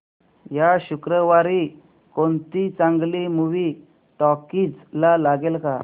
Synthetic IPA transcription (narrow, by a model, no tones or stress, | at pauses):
jaɕukɾəʋaɾi | kont̪it͡sãŋɡlimuʋi | ʈɔkiːt͡slalaɡelka